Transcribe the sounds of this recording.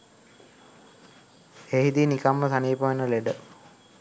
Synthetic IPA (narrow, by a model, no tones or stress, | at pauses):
eɦid̪inikamːəsaniːpəʋenəleɖə